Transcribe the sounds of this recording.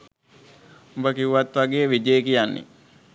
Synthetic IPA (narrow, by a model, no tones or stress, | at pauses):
umbəkiuʋat̪ʋaɡeːʋid͡ʒejːkijanːḛ